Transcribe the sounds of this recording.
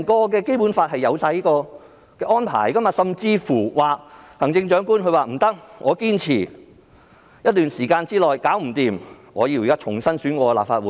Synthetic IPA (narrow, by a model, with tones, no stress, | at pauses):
nkɔː˧k̬ɛː˧ke˥jpu˨˥nfaː˧t̚hɐ˨jːɐ˨˧wsaː˧jkɔː˧ | kɛː˧ʔɔː˥npʰa̰ː˨˩jkɐ˥mjɐ˨˩sɐ˨mt͡siː˧fuː˨˩waː˨k̚hɐ˨˩ŋt͡sɪ˧ŋt͡ʃœː˨˥ŋkuː˥nkɵ˧ɥwaː˨˩m̩˨˩t̪ɐ˥k̚ŋɔː˨˧kiː˥nt͡sʰiː˨˩ | jɐ˥t̚t̪yː˨nsiː˨˩kaː˧nt͡siː˥lɔː˨˩jkaː˨˥wm̩˨˩t̪iː˨mŋɔː˨˧ji˧wjkaː˥t͡ʃʰʊ˨˩ŋsɐ˥nsyː˨˥nkʷɔː˧la̰ː˨p̚faː˧t̚wuː˨˦